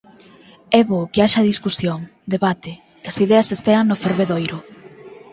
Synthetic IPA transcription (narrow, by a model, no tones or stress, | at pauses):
ɛβokeaʃɐðiskusjoŋd̪eβat̪ɪ | kɐsiðeɐsest̪eaŋnʊfeɾβeðojɾʊ